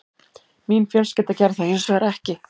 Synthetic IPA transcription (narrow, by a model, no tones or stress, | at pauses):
miːnfjɛlscɛːt̪acɛɾθaðɪnsœɣaɾɛhcɪ